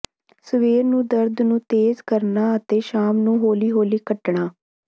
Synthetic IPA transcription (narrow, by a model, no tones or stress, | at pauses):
səʋeːɾnũːd̪əɾd̪nũːt̪eːzkəɾnaːət̪eːʃaːmnũːɦoːliːɦoːliːkəʈɳaː